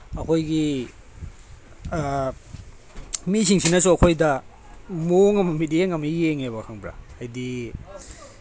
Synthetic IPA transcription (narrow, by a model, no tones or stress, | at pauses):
ɐkʰojɡi | misiŋsinɐs̬uɐkʰojdɐ | moŋɐmɐmidijeŋɐmɐeŋeβɐkʰaŋbɾa̰ajdi